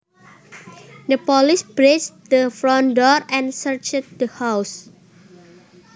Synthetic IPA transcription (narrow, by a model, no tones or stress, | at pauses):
dəpɔlɪsb̥ɾesd̪əfɾɔ̃ndɔɹɛ̃nsəɹt͡ʃt̪̚d̪əhaws